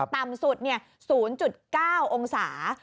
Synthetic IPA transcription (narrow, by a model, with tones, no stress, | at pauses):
t̪a˨˩msu˨˩t̪̚ni˥˩ɐ | suː˩˦nt͡ɕu˨˩t̪̚kaː˥˩wʔo˧ŋsaː˩˦